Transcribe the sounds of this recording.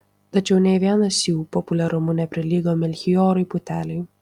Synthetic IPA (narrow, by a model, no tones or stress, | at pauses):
t̪ɐt͡ʃʲɛʊnʲɛʋʲiɛnɐsjuːpɔpʊlʲɛɾʊmʊnʲɛpʲɾʲɪlʲiːɡomʲɛlʲxʲijoːɾɐɪpʊt̪ʲæːlʲɛj